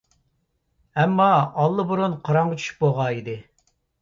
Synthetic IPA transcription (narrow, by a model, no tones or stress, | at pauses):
ɛmːɑɑlˠːɨbuɾunqʰɑɾɑɴʁɑt͡ʃʰy̥ʃy̥p̚boʁɑid̪ɪ